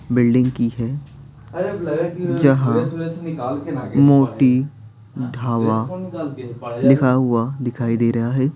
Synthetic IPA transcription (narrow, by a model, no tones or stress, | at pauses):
bɪlɖɪ̃ŋɡkiɦɛː | d͡ʒɐɦãɪkaːlkːmoːʈiː | d̪ʱaːʋaː | lɪkʰaɦʊad̪ɪkʰaːid̪eːɾɐɦaːɦɛː